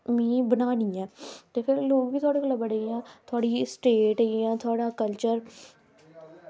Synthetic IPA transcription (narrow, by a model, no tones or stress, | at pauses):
mĩːbənaːniːɛ̃ːt̪eːpʰɪɾloːɡʋiːt̪ʰʊaːɽeːkəlːabəɽeãːt̪ʰʊaːɽiːsʈeːʈːiãːt̪ʰʊaːɽaːkəlt͡ʃəɾ